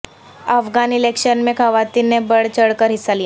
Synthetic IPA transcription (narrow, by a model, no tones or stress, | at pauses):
əfɡanilekʂənmekʰəʋat̪inebəɽt͡ɕəɽkəɾɦisalij